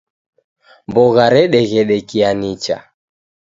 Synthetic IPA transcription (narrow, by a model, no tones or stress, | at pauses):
mbɔɣaɾɛɗɛɣɛɗɛkianit͡ʃa̰